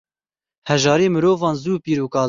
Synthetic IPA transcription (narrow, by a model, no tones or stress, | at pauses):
hɛʒɑːɾiːmɨɾoːvɑːnzuːpiːɾuːkɑː